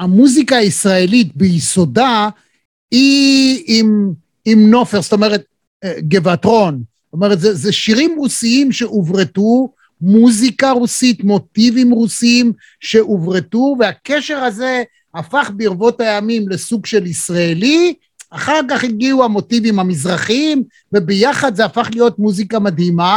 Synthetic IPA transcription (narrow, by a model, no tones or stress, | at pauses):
amuzikaːisʁaelit̪̚beiso̞da | iimː | mno̞feʁst̪o̞meʁet̪ | ɡe̞vatʁo̞nsomeʁet̪zezeʃiʁimʁusiimʃe̞ʔuvʁetu | muzikaʁusitmo̞tivimʁusiim | ʃe̞ʔuvʁetuveake̞ʃe̞ʁaze | hafaχbeiʁvo̞thajamimle̞suɡʃe̞lisʁaeli | aχaʁk̬aχiɡiuamo̞tivimhamizʁaχim | vebejaχad̪zeafaχlijo̞t̚muzikamadhima